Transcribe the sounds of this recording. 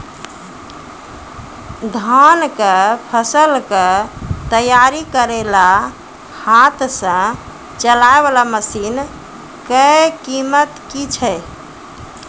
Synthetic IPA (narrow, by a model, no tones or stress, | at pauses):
d̪ʱankepʰəsəlket̪əjaɾikəɾela | hat̪sə̃ | t͡ʃəlaeβalaməsin | kəkimət̪kit͡ʃʰə